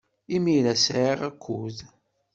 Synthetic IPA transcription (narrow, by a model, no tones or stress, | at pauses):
imiɾæsʕiʁækʰʷːuð